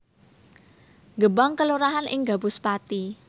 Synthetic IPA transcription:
ɡəbaŋkəluɾaɦanʔɪ̰ŋɡa̤bʊspat̪i

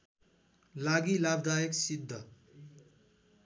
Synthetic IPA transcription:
laɡilabd̪ajeksid̪ʱːʌ

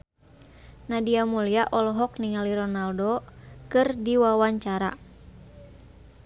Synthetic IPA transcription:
nadiamuliaʔɔlɔɦɔk̚niŋaliɾɔnaldokɨrdiwawaɲt͡ʃaɾa̰

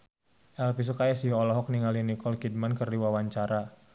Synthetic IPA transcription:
ʔɛlfis̬ɔkajasiɦɔlɔɦɔk̚niŋalinikɔlkid̚mankərdiwawaɲt͡ʃaɾa

